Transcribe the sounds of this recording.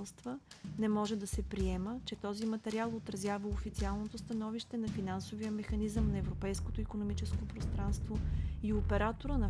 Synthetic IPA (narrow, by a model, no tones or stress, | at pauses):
lˠst̪vənɛmɔʒɛd̪ɐsɛpɾiɛmət͡ʃɛt̪ɔzimɐt̪ɛɾialˠot̪ɾɐzjavəofit̪sialˠnot̪ost̪ɐnɔviʃt̪ɛnɐfinansovijəmɛxɐnizəmnɐɛvɾopɛjskot̪oikonomit͡ʃɛskopɾost̪ɾanst̪voiopɛɾat̪oɾənɐ